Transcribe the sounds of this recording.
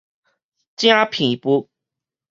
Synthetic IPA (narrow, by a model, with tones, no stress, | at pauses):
t͡ɕj̃a˦pʰi˨˩ŋi˨˩pu˦